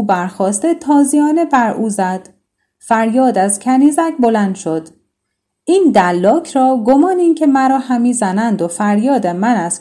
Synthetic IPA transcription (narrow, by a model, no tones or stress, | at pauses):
ubæɾxɒːst̪et̪ʰɒːzijɒːne̞bæɾʔuːzæd̪̥ | fæɾjɒːd̪æzcʲʰæniːzæcbo̞lænd̪̥ʃo̞d̪̥ | iːnd̪ælːɒːcʰɾɒːɡomɒːniːncʰemæɾɒːhæmiːzænænd̪ofæɾjɒːd̪emænæz̥